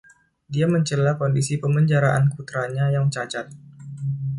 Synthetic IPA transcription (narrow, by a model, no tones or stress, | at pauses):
diaməɲt͡ʃəlakɔndisipəməɲd͡ʒaɾaʔa̰nkut̪ɾaɲajaŋt͡ʃat͡ʃat̪̚